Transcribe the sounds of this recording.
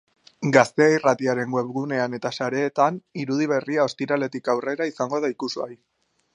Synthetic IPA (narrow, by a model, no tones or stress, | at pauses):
ɡast̪e̞airat̪iaɾe̞ŋɡwe̞pɣune̞ane̞t̪asaɾe̞ːt̪aniɾuð̞iβ̞e̞riao̞st̪iɾale̞t̪ikawre̞ɾaisaŋɡo̞ðaikusua̰j